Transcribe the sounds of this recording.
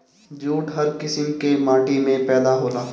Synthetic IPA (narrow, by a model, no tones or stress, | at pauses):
d͡ʒuːʈɦɐɾkɪsɪmkemãːʈimẽpɛːd̪aɦoːlaː